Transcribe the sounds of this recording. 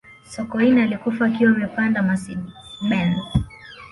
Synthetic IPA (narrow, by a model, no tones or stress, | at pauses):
sɔkɔinalikufaːkiwamɛpandamasimɛn